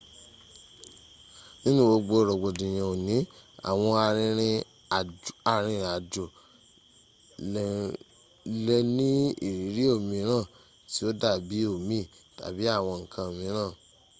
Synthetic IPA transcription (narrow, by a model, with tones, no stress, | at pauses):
nĩ˦nũ˦wo˧ɡ͡bo˧˨ɾɔ˨ɡ͡bo˨dĩ˨j̃ã˨o˨nĩ˨˦a̰˨w̃ɔ̃˧a˧ɾ̃ĩ˧ɾ̃ĩ˧˨ | a˨ɾ̃ĩ˧˨a˨d͡ʒo˨˧ | lɛ˧nĩ˦ḭ˦˨ɾi˨˦ɾi˦o˦˨mĩ˧˦ɾ̃ã˦˨ | ti˨˦o˦da˦˨bi˨˦o˦˨mĩ˦˨ | ta̰˨˦bi˨˦a˦˨w̃ɔ̃˧ŋ̩˨kʰã˧o˨mĩ˧˦ɾ̃ãː˦˨